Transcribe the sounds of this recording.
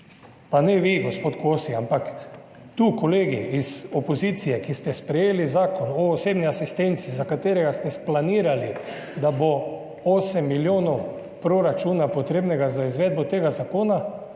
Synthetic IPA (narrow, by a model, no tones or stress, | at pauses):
panɛʋiɡospoːt̪kʰosiampak | t̪ukoleːɡiizopozit̪sijɛkist̪ɛspɾɛjeːlizaːkonɔːseːbniasist̪ent̪sizakat̪eːɾɛɡast̪ɛsplaniːɾali | d̪abo | oːsɛmːiljoːnɔw | pɾoɾat͡ʃuːnapot̪ɾeːbnɛɡazaizʋɛːd̪̚bot̪eːɡazakoːna